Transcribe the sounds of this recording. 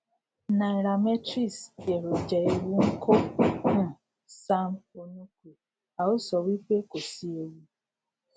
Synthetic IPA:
na˨e˨ɾa˨mɛ˦tɾi˦˨sje˨ɾo˨d͡ʒɛ˨i˨ɾi˦ŋ̩˦kʰo˦ũ˦˨ | sa˦mo˦nu˦kʷe˨ | a˨o˦sɔ˨wi˦ke˦ko˨si˦e˦ji˦

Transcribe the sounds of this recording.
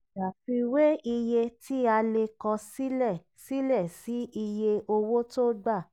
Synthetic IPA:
a˨fi˧we˦i˧je˧ti˦a˧le˧kɔ̃˧si˦lɛ˦˨ | si˦lɛ˦˨si˨˦i˧je˧ʔo˧wo˦to˦ɡ͡ba˦˨

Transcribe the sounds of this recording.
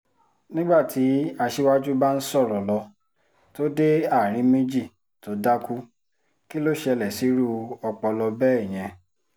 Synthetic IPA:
nĩ˦ɡ͡ba˦˨tʰi˨˦a˧ʃe˦wa˦d͡ʒu˦ba˦n̩˦sɔ˦˨ɾɔ˨lɔ˧ | to˦de˦a˦˨ɾ̃ĩ˨˦mẽ˦d͡ʒi˦˨ | to˨˦da˦ku˦ | ki˦lo˦ʃɛ˧lɛ˨si˨˦ɾu˦ɔ˧k͡pɔ˧lɔ˧bɛ˦ɛ˦˨j̃ɛ̃˧

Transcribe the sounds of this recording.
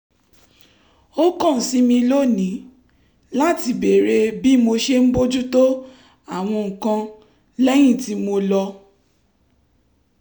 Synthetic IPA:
o˦kɔ̃˦˨n̩˨si˦mĩ˧lo˦˨nĩ˨˦ | la˦ti˧be˨ɾe˧bi˦mo˧ʃe˦m̩˦bo˦d͡ʒu˦to˦ | a˦˨w̃ɔ̃˧ŋ̩˨kã˧ | lɛ˦j̃ĩ˦˨ti˨˦mo˧lɔ˧

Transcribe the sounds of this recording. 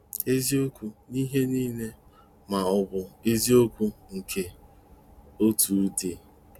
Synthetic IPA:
e˦zi˦o˦kʷu˦ni˦ɦe˦niː˦ne˦ | ma˨ɔ˨bʊ˨e˦zi˦o˦kʷu˦ŋ̩˨kʰe˨ | o˦tu˨˦de˨

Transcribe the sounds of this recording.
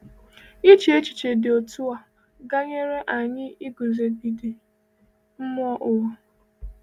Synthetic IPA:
i˦t͡ʃi˨e˦t͡ʃi̥˨t͡ʃe˨dɪ˨o˨tu˦a˨ | ɡa˦ɲe˦ɾe˦ʔa˨ɲɪ˦i˦ɡu˨ze˨bi˨di˨ | m̩˦mʊ˦ɔ˦ʔo˨˦

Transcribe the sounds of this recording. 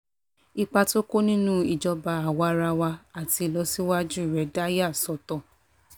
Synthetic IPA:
i˧k͡pa˧to˦ko˦nĩ˦nũ˦i˨d͡ʒɔ˧ba˧a˨wa˧˦ɾa˧wa˧a˨ti˧lɔ˧˦si˦wa˦d͡ʒũ˦˨ɾɛ˨˦da˦ja˦˨sɔ˨tɔ˨

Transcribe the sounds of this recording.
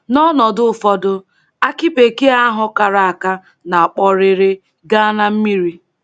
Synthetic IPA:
nɔ˦nɔ˨dʊ˦˨fɔ˦dʊ˦ | a˦ki˦pe˨ke˦a˦ɦʊ˦ka˨ɾa˨a˨ka˦ | na˨a˨k͡pɔ˦ɾɪ˨ɾe˦ | ɡa˦a˦na˦m̩˦mi˦ɾi˦

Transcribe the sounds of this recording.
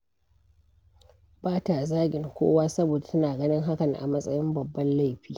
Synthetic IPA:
baː˦ta˨zaː˦ɡʲɪ˨ŋkʷo̰ː˦waː˦sɐ˦boː˨da˨tɐ˦naː˨ɡɐ˦nɪ˦ŋɦa˦kɐ˨ŋʔa̰˨mɐ˦sʼɐ˦jɪ˦mbɐ˨bːɐ˦nla˦jɸiː˦

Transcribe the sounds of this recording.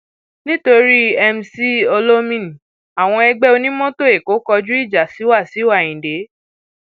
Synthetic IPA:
nĩ˦to˧ɾi˦ɛ˧m̩˧si˦o˧lo˦mĩ˦˨n˨ | a˨w̃ɔ̃˧ɛ˧ɡ͡bɛ˦o˧nĩ˦mɔ̃˦to˦˨e˨ko˨˦kɔ˧d͡ʒu˦i˦˨d͡ʒa˨si˨˦wa˦˨si˨˦wa˦˨ĩ˨de˨˦

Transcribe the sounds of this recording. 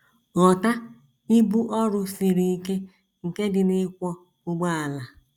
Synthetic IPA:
ɔ˨ta˦ | ɪ˦bu˦ʔɔ˦ɾʊ˦fi˨ɾi˨i˦ke˦ | ŋ̩˨ke˦dɪ˨nɪ˦kʷɔ˦ | ʊ˦ɡ͡ba˦a˨la˨

